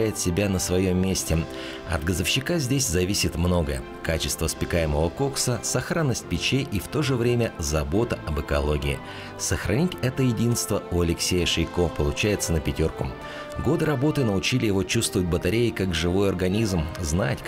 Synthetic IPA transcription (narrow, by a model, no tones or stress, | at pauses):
æjɪt̪sʲɪbʲanəsvɐjo̞mʲːesʲtʲɪ | ɐ̰d̪ɡəzəfɕːɪkazʲdʲesʲzɐvʲisʲɪt̪mno̞ɡəjə | kat͡ɕɪst̪vəspʲɪkajɪməvəko̞ksəsɐxɾanːəsʲt̚ʲpʲɪt͡ɕejʔift̪o̞ʐɨvɾʲemʲəzɐbo̞t̪əɐbɨkɐlˠo̞ɡʲɪɪ | səxɾʔɐnʲitʲɛt̪əjɪdʲinst̪vəʊɐlʲɪksʲejəʂɨjko̞pəlˠʊt͡ɕæjɪt̪sənəpʲɪtʲo̞rkʊ | ɡo̞d̪ɨɾɐbo̞t̪ɨnəʊt͡ɕilʲɪjɪvo̞t͡ɕust̪vəvət̚ʲbət̪ɐɾʲejkakʐɨvo̞jɐrɡɐnʲizmznatʲ